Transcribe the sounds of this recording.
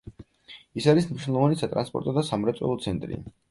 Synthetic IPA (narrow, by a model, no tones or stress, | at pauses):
isaɾisnmniʃwnɛlˠɔvanisat̪ʼɾanspʼɔ̰ɾt̪ʼɔd̪asamɾɛt̪sʼwɛ̰lˠɔt̪sʰɛnt̪ʼɾḭ